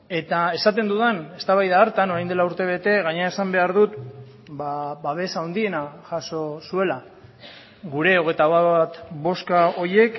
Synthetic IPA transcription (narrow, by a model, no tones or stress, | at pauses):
e̞t̪ae̞sat̪e̞nd̪uðane̞st̪aβajðaːɾt̪ano̞ɾajnd̪elauɾt̪e̞β̞e̞t̪e̞ɣaɲeae̞sambe̞aɾðut̪ | baβaβ̞e̞saːwnd̪ie̞naʝaso̞sue̞la | ɣuɾe̞o̞ɣ̞e̞jt̪aβaβat̪βo̞skao̞je̞k